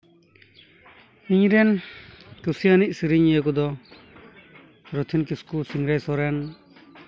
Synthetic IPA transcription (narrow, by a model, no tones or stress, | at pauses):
iɲɾɛnkusianic̚siɾiɲək̬ɔd̪ɔ | ɾɔt̪ʰinkiskusiŋɾajsɔɾɛn